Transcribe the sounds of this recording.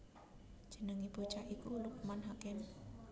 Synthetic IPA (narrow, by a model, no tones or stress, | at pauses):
d̥ʒ̥ənəŋib̥o̤t͡ʃaʔikuluk̚manɦakɪm